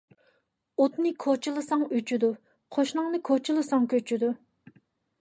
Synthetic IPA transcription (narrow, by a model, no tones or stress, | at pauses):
ot̪nɨkʰot͡ʃʰilˠɨsɑŋyt͡ʃʰyd̪u | qʰoʃnɨŋnɨkʰot͡ʃʰilˠɨsɑŋkʲʰøt͡ʃʰyd̪u